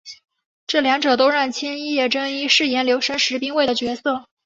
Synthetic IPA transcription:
ʈ͡ʂɤ˥˩ljɑ˧˥ŋʈ͡ʂɤ˨˩t̪o˥ʊɻa˥˩nt͡ɕʰjɛ˥ni˥jɛ˥˩ʈ͡ʂə˥ŋi˥ʂɻ̩˥˩jɛ˧˥nljo˧˥ʊʂə˥nʂɻ̩˧˥pi˥ŋwe˥˩ɪd̪ə˩t͡ɕɥɛ˧˥sɤ˥˩

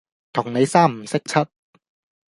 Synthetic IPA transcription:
t̪ʰɔ˨˩˦ŋna˨˦˥jsa˥˩˨msa˦˥k̚t͡ɕʰa˦˥t̪̚

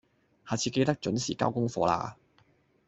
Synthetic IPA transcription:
haː˨˩t͡sʰiː˧ke˧jt̪ɐ˥k̚t͡ʃɵ˨˥nsiː˨˩kaː˥wkʊ˥ŋfɔː˧la̰ː˧

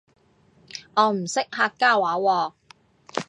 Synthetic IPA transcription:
ɔː˨˧m̩˨˩sɪ˥k̚haː˧kːaː˥˩waː˨˥wɔː˧

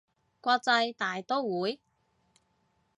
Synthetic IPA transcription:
kʷɔː˧k̚t͡sɐ˧jt̪aː˨˩jt̪ɔː˥wuː˨˥j

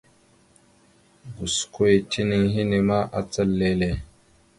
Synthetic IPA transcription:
ɡu˨sko˦e˨tʰi˦ni˦ŋɦi˦ni˨ma˦ʔa˨t͡sə˦lːe˦le˨

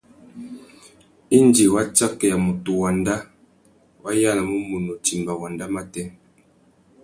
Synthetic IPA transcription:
i˦nd͡ʒi˨wa˦t͡ʃa˦kɛ˨ja˨mu˨tu˨wa˨nda˦ | wa˦ja˦la˨mu˦mu˨no˨ti˨mba˨wa˨nda˦ma˦tɛ˦

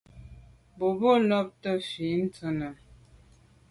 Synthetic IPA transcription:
bo˨bo˦lɔ˦p̚tə˦fi˨˦n̩˦t͡sə˨nə˨

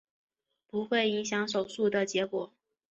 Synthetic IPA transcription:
pu˧˥xwe˥˩ɪi˧˥ŋɕjɑ˧˥ŋʂo˨˩ʊʂu˥˩d̪ə˨t͡ɕjɛ˧˥kwɔ˨˩˦

